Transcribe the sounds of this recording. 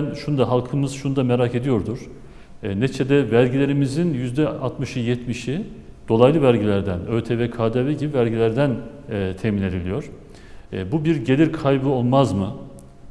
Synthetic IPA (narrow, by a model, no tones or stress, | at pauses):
nʃunud̪aɦalˠkʰɯmɯzʃunud̪ame̞ɾake̞d̪ijo̞ɾd̪uɾ̥ | net͡ʃʰed̪ɛvælʲɟilʲe̞ɾimizinjyzd̪ɛa̰t̪mɯʃɯjɛt̪miʃi | d̪̥o̞lˠajlˠɯvælʲɟilʲæɾd̪ænø̞ɾt̪ʰɛvɛkʰaːd̪aviɟibivælʲɟilʲæɾd̪ænː | t̪ʰɛhmine̞d̪ilʲijo̞ɾ̥ | bubiɾɟe̞lʲiɾkʰajbɯo̞lˠmazmɯ